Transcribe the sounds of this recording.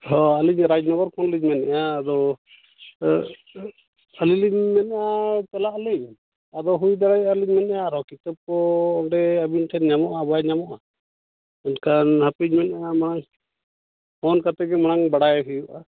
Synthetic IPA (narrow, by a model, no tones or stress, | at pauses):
hɔaliɲɾad͡ʒnɔbaɾkʰɔnliɲmɛnɛʔaːd̪ɔ | əliliɲmɛnɛʔat͡ʃɛlaʔliɲ | ad̪ɔɦujd̪aɾajaliɲmɛnɛʔaɾɔkit̪ap̚kɔːɳɖɛabinʈʰɛnɲamɔʔabajɲamɔʔa | ankʰanhapiɲmɛnaamanaŋ | hʰɔnkat̪ɛɡɛmaɽ̃aŋbaɽajɦujuʔa